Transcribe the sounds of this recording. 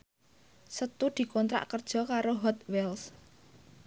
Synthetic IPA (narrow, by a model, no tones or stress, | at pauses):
sət̪ud̪̥i̤kɔnt̪ɾa̰ʔkərd̥ʒ̥ɔ̤kaɾoɦɔt̪̚wɛls